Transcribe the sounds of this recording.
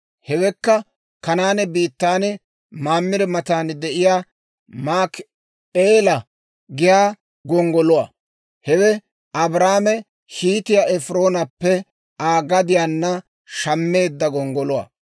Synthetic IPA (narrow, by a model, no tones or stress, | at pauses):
hɛwɛkːɐ | kɐnaːnɛbiːt̪ːaːnɛ | maːmːɪɾɛmɐt̪aːnd̪ɛʔɪjaː | maːk | eːlɐ | ɡɪjaː | ɡɔŋɡɔlʊwa̰ː | hɛwɛ | ʔɐbɾaːmɛ | hiːt̪ɪjaɛfɾo̞ːnɐpːɛ | aːɡɐd̪ɪjanːɐ | ʃɐmːe̞ːd̪ːɐɡɔŋɡɔlʊwa̰ː